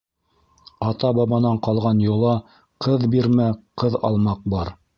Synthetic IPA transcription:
ɑt̪ɑbɑβɑnɑɴqɑlˠʁɑnjŏlˠɑ | qɤðbiɾmæqɤðɑ̰lˠmɑq̚bɑɾ

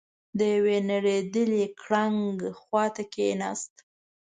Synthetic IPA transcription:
d̪əjawenaɽed̪əlikʰɽaŋɡxwɑt̪akenɑ̰st̪

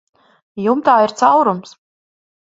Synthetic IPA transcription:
jumt̪aːiɾt̪sawɾums

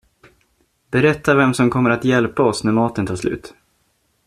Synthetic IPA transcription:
bɛɾɛt̪ːavɛmsɔmkʰɔmːəɾat̪jɛlpaɔsnæɾmɑːt̪ənt̪ʰɑːʂlʉ̟̰ːt̪

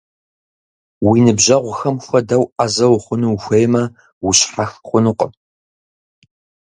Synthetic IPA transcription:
winɨbʑɐʁʷʊxɐmxʷɐdɐwʔazɐwχʷʊnuxʷejmɐ | wʊɕħaxχʷʊnɨqʷʼə

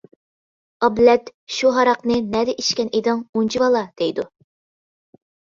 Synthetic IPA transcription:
ɑblɛt̪ʃuɦɑɾɑqnɨnɛd̪ɛʔiʃkʲɛnʔed̪ɨŋunt͡ʃʰiwɑlˠɑd̪̥ejd̪u

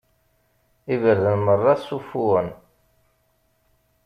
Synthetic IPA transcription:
ivəɾðənmərˤːɑθsufuən

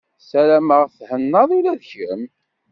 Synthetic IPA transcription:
sælæməʁθhənːɑðˤulæðçə̰m

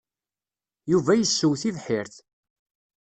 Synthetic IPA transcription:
juvæjəsːuwθiðħɪɾθ

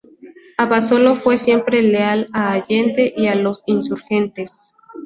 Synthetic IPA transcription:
aβaso̞lo̞fwe̞sje̞mpɾe̞lealaːʝent̪e̞ʔialo̞sinsuɾxe̞nt̪es

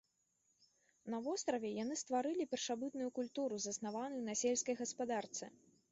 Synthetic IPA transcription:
nɐvɔst̪ɾɐvʲɛjanɨst̪vaɾɨlʲipʲɛrʂabɨt̪nujukulʲt̪uɾuzɐsnavanɨjnɐsʲɛlʲskɐjɣɐspad̪art̪sɨ

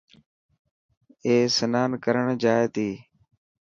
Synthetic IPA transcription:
eːsənaːnkəɾəɳd͡ʒaːeːt̪iː

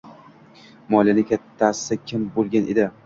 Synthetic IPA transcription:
mɒlˠjanɪkʲʰat̪ʰːasɪ̥t̪akʲʰɪmbolˠɡʲaned̪ɪ

